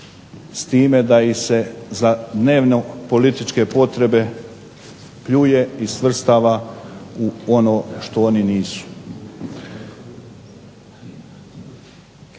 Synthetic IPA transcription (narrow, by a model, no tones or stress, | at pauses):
st̪iːme̞d̪aise̞zad̪ne̞ːʋno̞po̞lit̪it͡ʃke̞po̞t̪ɾe̞be̞ | pʎuːje̞isʋr̩st̪aːʋauono̞ːʃt̪ooːniniːsu̥